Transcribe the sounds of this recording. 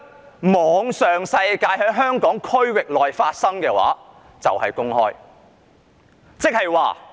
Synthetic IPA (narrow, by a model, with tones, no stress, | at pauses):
mɔː˨ŋsœː˨ŋsɐ˧jkaː˧jhœː˨˥ŋɦœː˥ŋkɔː˨˥ŋkʰɵ˥ɥwɪ˨k̚lɔː˨jfaː˧t̚sɐ˥ŋkɛː˧wa̰ː˨˥ | t͡sɐ˨whɐ˨jkʊ˥ŋhɔː˥j | t͡sɪ˥k̚hɐ˨jwaː˨